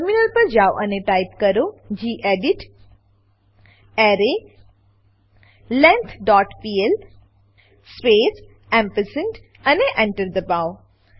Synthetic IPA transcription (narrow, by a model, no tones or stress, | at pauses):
əɾminəlpəɾd͡ʒaːwʔɐ̰neʈaːɪpkəɾod͡ʒiːʔeːɖiʈ | ɛːɾe | lɛ̃nt̪ʰɖɔːʈpiːel | speːs | ɛ̃mpəsəɳʈ | ɐneʔɛ̃ɳʈəɾd̪əbaːw